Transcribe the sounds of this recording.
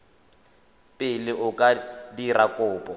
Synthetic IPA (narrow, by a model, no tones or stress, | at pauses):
pʼɪlɪʔʊkʼadirakʼʊːpʼɔ